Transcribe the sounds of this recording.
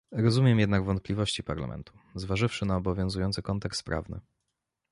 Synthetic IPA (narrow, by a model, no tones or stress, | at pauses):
ɾɔzumʲjɛmjɛd̪naɡvɔnt̪̚plʲivɔɕt͡ɕipaɾla̰mʔɛ̰nt̪u̥ | zvaʐɘfʂɘnaɔbɔvʲjɔ̃zujɔnt̪sɘkɔnt̪ɛkst̪̚pɾa̰vnɘ̰